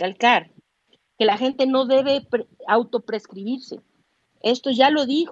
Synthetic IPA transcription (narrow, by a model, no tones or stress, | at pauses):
alkaɾ | ke̞laxe̞nt̪e̞no̞ðe̞βe̞pawt̪o̞pɾe̞skɾiβiɾse̞̰ | e̞st̪o̞ʝalo̞ðix